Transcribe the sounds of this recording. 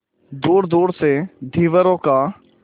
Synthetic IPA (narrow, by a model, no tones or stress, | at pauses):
d̪uːɾd̪uːɽseːd̪ʱiːʋəɾõːkaː